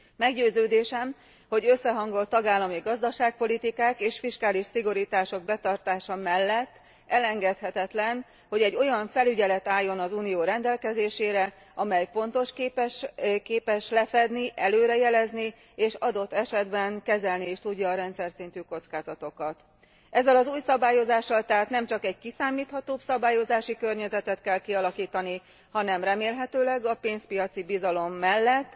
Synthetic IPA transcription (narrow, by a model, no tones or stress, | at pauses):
mɛɡɟøːzøːd̪eːʃɛm | ho̞ɟø̞sːɛɦɒŋɡo̞lt̪ːɒɡaːlːɒmiɡɒzd̪ɒʃaːk̚po̞lit̪ikaːkeːʃfiʃkaːliʃsiɡoɾit̪aːʃo̞ɡ̚bɛt̪ɒrt̪aːʃɒmɛlːɛt̪ː | ɛlɛŋɡɛt̪hɛt̪ɛt̪lɛn | ho̞ɟɛɟːo̞jɒɱfɛlyɟɛlɛt̪aːjːo̞nɒzuːnijoːɾɛnd̪ɛlkɛzeːʃeːɾɛ | ɒmɛjpo̞n̪t̪o̞ʃkːpʃkeːpɛʃlɛfɛd̪niʔɛløːɾɛjɛlɛzni | eːʃɒd̪o̞t̪ːɛʃɛd̪bɛŋkɛzɛlnieːʃt̪uɟːɒːɾɛnt̪sɛrsint̪yko̞t̪skaːzɒt̪o̞kɒt̪ | ʔɛzːɛlɒzuːjsɒbaːjo̞zaːʃːɒlt̪ɛɦaːt̪nɛmt͡ʃɒkɛɟ̚kisaːmiːt̪hɒt̪oːpsɒbaːjo̞zaːʃikø̞rɲɛzɛt̪ɛt̪kɛlkiɒlɒkiːt̪ɒni | hɒnɛmrɛmeːlɦɛt̪øːlɛɡɒpeːnspijɒt̪sibizɒlo̞mːɛlːɛt̪ː